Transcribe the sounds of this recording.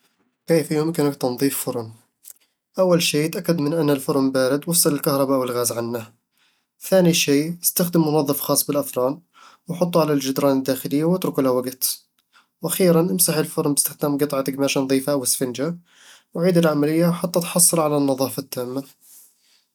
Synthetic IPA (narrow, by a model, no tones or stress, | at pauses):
keːfjʊmkɪnakt̪ɑnðˤiːffʊɾˤn | ʔawːalʃeːt̪ʔakːad̪mɪnʔanːalfʊɾmbaːɾɪd̪wɑsˤːɨlɪlkahɾˤɑbaʔwɪlɣaːzʕanːa | θaːniʃeːɪst̪axd̪ɪmʊnɑðˤːɨfxɑːsˤːbɪlʔaθɾˤɑːn | wħʊt̪ˤːuʕalald͡ʒɪd̪ɾˤɑːnɪd̪ːaːxɪlɪjːawɪt̪ɾʊkulawaɡt̪ | wʔaxiːɾanʔɪmsaħɪlfʊɾˤnbɪst̪ɪxd̪aːmɡɨt̪ˤʕɑt̪ɪkmaːʃanɑðˤiːfaʔawɪsfɪnd͡ʒa | wʕiːd̪ɪlʕamalɪjːaħat̪ːat̪ħɑsˤːɨɾʕalanːɑðˤɑːfat̪ːaːmːa